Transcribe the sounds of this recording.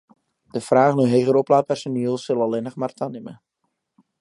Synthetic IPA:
d̥əfraːχnøɦeːɣəɾɔplaːpɛrsoniəlˠsəlˠɑlɪnəχmaːrtanɪmə̰

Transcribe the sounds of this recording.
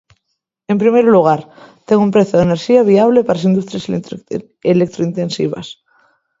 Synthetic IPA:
e̞mpɾimejɾoluɣ̞aɾt̪eŋɡumpɾeθjoðeneɾʃiaβ̞iaβ̞lepaɾasind̪ust̪ɾjas | elek̚t̪ɾoint̪ensḭβ̞a̰s

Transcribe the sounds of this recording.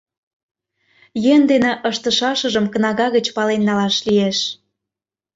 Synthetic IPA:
jend̪eneʔəʃt̪ə̆ʃɑʃə̆ʒəmkə̆nɑɣɑɣə̆t͡ɕpɑlenːɑlɑʃlieʃ

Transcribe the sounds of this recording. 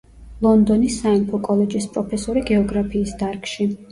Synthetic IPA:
lˠɔnd̪ɔnisːaɛmpʰɔkʼɔlɛd͡ʒispʼɾɔpʰɛsɔɾiɡɛɔɡɾapʰiːsd̪aɾkʃi

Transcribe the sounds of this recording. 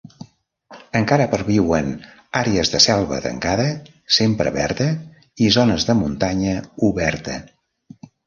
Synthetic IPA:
əŋkaɾəpəɾβiwən | aɾeəzðəsɛlˠβə̰t̪ə̰ŋkaðə | sempɾə̰βɛɾt̪ə | izonəzðəmunt̪aɲəuβɛɾt̪ə̰

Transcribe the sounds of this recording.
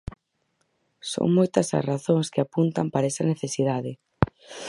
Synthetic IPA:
so̰ŋmojt̪ɐsɐ̰sraθoŋskɪapunt̪ɐmpaɾaɛsɐneθesiðaðɪ

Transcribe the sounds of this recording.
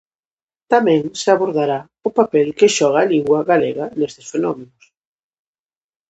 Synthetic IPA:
t̪amɛ̃ŋseaβoɾðaɾa | ʊpapelkɪʃɔɣ̞aːliŋɡwɐɣalḛɣɐnest̪ɪsfenɔmenʊs

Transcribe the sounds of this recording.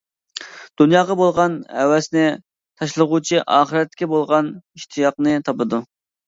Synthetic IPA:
d̪̥unjɑːʁɑbolˠʁɑnhɛwɛsnɪ | t̪ʰɑʃlˠəʁut͡ʃʰiʔɑːχəɾɛt̪̚ːɪkʲɛbolˠʁɑniʃt̪ʰɨjɑqnɨt̪ʰɑpɨd̪u

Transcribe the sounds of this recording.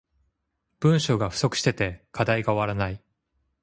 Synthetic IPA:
b̥ɯ̟̃ɰ̃ɕo̞ːɡaɸɯ̟so̞kɯ̟̥ɕi̥t̪e̞t̪e̞kʰad̪aiɡaoβaɾanai

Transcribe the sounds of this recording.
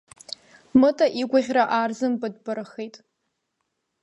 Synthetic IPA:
mɨtʼaʔiɡʷaʁʲraʔaːrzɨmbɨdbɨɾɨχejtʼ

